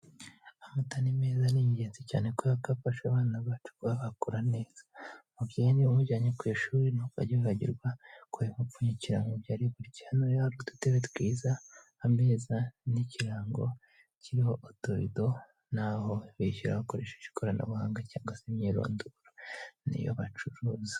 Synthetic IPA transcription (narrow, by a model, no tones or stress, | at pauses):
amatanimeːzaniɲiɟeːnzica̰ːne̞kojakafaʃaβaːnaβat͡ʃu̥kwaβakuɾane̞ːz̥ḁmubɟiniumuɟaːɲekwujʃuːɾinoka̰ɟiwehaɟḭɾɡwakʰuimuuɲiciɾaŋɡobjaːɾiβuɾicihanoɾehaɾɡodu̥teβetkwiːzaː | me̞ːzaniciɾaːŋɡo̞̰ | ciɾiho̞ʔotoɾido̞ | naːho̞βiʃiɾa̰βakoɾe̞̰ːʃeci̥kʰoɾana̰βuhaːŋɡacaːŋɡwasemɲiːɾo̰ːnduɾanḭjo̰βat͡ʃuɾuːzi